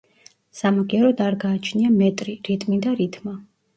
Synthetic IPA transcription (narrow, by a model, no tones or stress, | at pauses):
samaɡiaɾɔd̪aɾɡaːt͡ʃʰniamɛt̪ʼɾiɾit̪ʼmid̪aɾit̪ʼma